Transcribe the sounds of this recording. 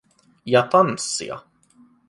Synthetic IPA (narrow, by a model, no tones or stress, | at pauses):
jat̪ʰansɪ̰a̰